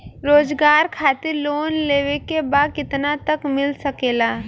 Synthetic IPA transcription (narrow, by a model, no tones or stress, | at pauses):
ɾoːd͡ʒɡaːɾkʰaːt̪ɪɾloːnleːʋekebaːkɪt̪nat̪ɐkmɪlsɐkeːlaː